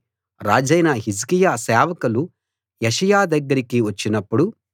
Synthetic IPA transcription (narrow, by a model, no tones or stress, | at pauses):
ɾa̰ːd͡ʒɐjnɐɦiskijaːsɛːʋɐkɐlu | jeʂɐjaːd̪ɐɡːɐɾikiʋɐt͡ʃːinɐpːuɽu